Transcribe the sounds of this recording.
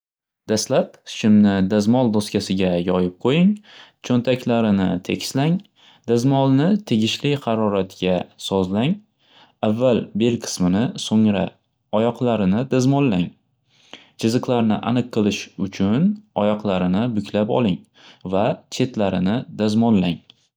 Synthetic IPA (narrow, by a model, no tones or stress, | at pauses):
d̪̥aslap̚ʃɪmnɪd̪azmɒlˠd̪oskʲasɪɡʲajɒjɪp̚qʰojɪŋt͡ʃʰont̪ʰakʲlaɾɪnɪt̪ʰe̞kʲslaŋ | d̪azmɒlˠnɪt̪ʰeɡʲɪʃlɪhɑɾɒɾat̪ɡʲasɒzlaŋ | avːalbe̞lqʰɨ̥smɪnɪsoŋɾa̰ | ɒjɒqlˠaɾɪnɪd̪azmɒnlaŋ | t͡ʃʰɪzɨqlˠaɾnɪ̰ʔa̰nɨqʰːɨlˠɪʃʊt͡ʃʰʊnɒjɒqlˠaɾɪnɪbʊkʰʲlapɒ̰lˠɪŋ | vat͡ʃʰe̞t̪ʰlaɾɪnɪd̪azmɒnlaŋ